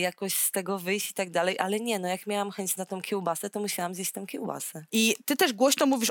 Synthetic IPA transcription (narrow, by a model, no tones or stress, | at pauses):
jakɔɕst̪ɛɡɔvɘjɕt͡ɕit̪aɡ̚d̪alɛjʔalɛɲɛnɔjakmʲjawamxɛɲt͡ɕnat̪ɔ̃w̃kʲɛwbasɛt̪ɔmuɕawamzjet͡ɕʲt̪ɔ̃w̃kʲɛwba̰sɛit̪ɘt̪ɛʐɡwɔɕnɔmuvʲiʂ